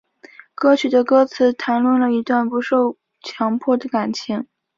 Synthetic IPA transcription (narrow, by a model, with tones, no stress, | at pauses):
kɤ˥t͡ɕʰy˨˩d̪ə˦kɤ˥t͡sʰɹ̩˧˥t̪ʰa˧˥nlwə˥˩nlə˩i˧˥t̪wa˥˩npu˧˥ʂo˥˩ʊ | t͡ɕʰjɑ˧˥ŋpʰɔ˥˩d̪ə˩ka˨˩nt͡ɕʰi˧˥ŋ